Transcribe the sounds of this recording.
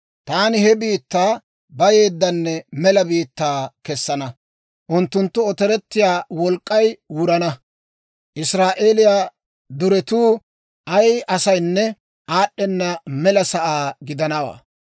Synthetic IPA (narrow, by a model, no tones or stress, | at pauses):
t̪aːnɪhɛbiːt̪ːaː | bɐje̞ːd̪ːɐnːɛmɛlɐbiːt̪ːaːkɛsːɐnɐ | ʔʊnt̪ːʊnt̪ːʊɔt̪ɛɾɛt̪ːɪjaːwɔlkʼːɐjwʊɾɐnɐ | ʔɪsɾaːʔeːlɪjaː | d̪ʊɾɛt̪uː | ɐjɐsɐjnːɛ | ʔaːɗːɛnːɐmɛlɐsɐʔaːɡɪd̪ɐnɐwa̰ː